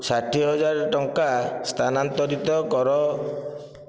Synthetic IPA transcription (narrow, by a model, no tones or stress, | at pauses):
saʈʰiɦɔd͡ʒaɾʈɔŋkast̪ʰanant̪ɔɾit̪ɔkɔɾɔ